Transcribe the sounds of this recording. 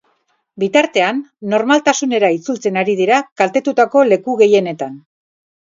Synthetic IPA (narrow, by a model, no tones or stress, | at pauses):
bit̪aɾt̪e̞anːo̞ɾmalt̪asune̞ɾait͡sult͡se̞naɾið̞iɾakalt̪e̞t̪ut̪ako̞le̞kuɣe̞je̞ne̞t̪an